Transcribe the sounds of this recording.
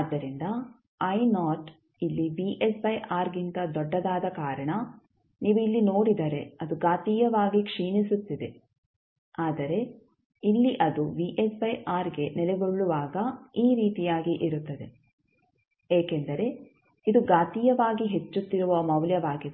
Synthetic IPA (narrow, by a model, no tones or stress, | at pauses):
ad̪ːɐɾind̪ɐ | ɐjnaːʈ | ilːiʋiʔesbɐjʔaːɾɡint̪ɐd̪ɔɖːɐd̪aːd̪ɐkaːɾɐɳɐ | niːʋuilːino̞ːɽid̪ɐɾe̞ɐd̪uɡaːt̪ijɐʋaːɡikʂiːnisut̪ːid̪e̞ | aːd̪ɐɾe̞ | ilːiʔɐd̪uʋiʔesbɐjʔaːɾɡe̞nɛlɛɡoɭːuʋaːɡɐiːɾiːt̪ijaːɡiʔiɾut̪ːɐd̪e̞ | eːkend̪ɐɾe̞ | id̪uɡaːt̪ijɐʋaːɡiɦe̞t͡ʃːut̪ːiɾuʋɐmɐʋljɐʋaːɡid̪